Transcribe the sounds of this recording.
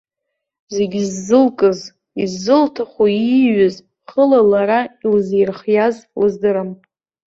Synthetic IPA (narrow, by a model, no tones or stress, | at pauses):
ze̞ɡʲizːɨlkʼɨz | izːɨltʰaχʷaiiɥɨz | χəlalaɾailzejrχjazlɨzdɨɾam